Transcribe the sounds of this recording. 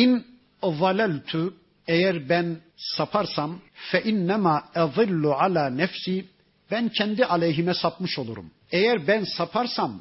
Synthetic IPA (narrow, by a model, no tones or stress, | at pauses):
in | valælt̪ʰu | ejæɾbænsapʰaɾsamfɛʔinːæmaːʔɑðˤɨlːuʕalaːnɛfsiː | bæncʰɛnd̪iʔalʲɛjɦimɛsap̚mɯʃo̞lˠuɾṵm | ejæɾbænsapʰaɾsam